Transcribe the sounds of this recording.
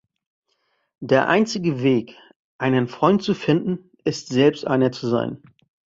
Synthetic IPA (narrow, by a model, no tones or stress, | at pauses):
d̥eːɐʔa̰ɪnt͡sɪɡəveːk | ʔaɪnənfʁ̥ɔʏnt̚t͡sufɪndn̩ | ʔɪstz̥ɛlpstʔa̰ɪnɐt͡suza̰ɪn